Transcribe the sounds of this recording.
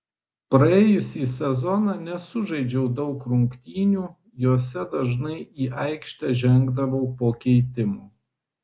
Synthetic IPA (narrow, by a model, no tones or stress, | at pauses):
pɾɐeːjʊsʲiːsʲɛzɔnɑːnʲɛsʊʒɐɪd͡ʒʲɛʊd̪ɒʊkɾʊŋkt̪ʲiːnʲuː | juɔsʲɛd̪ɐʒnɐɪiːʔɐɪkʃʲt̪ʲɛʒʲɛŋɡd̪ɐʋɐʊpoːkʲɛɪt̪ʲɪmuː